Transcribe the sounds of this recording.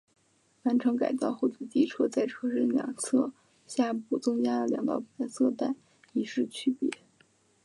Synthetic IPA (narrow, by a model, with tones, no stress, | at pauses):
wa˧˥nʈ͡ʂʰɤ˧˥ŋka̰˨˩ɪt̪ɑ˥˧ʊxo˥˩t͡ɕi˥˩t͡ɕi˥ʈ͡ʂʰɤ˥˧t͡sa˥˩ɪʈ͡ʂʰɤ˥ʂə˥˩njɑ̰˨˩ŋsʰɤ˥˩ | ɕja˥˩pu˥˩t͡sʊ˥ŋja˥d̪ə˨ljɑ̰˨˧˥ŋt̪ɑ̰˨˩ʊpu˨˩a˥sʰɤ˥˧t̪a˥˩ɪ | i˧˥ʂɻ̩˥˧t͡ɕʰy˥˩pjɛ̰˧˥